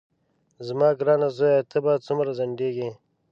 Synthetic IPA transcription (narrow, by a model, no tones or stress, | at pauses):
zmɑːɡɾɑːnazojat̪ʰəbaːd̪̚t͡sumɾazɐɳɖeːɡi